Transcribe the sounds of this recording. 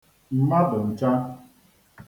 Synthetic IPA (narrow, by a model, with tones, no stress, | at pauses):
m̩˨ma˦dʊ˨n̩˨t͡ʃa˦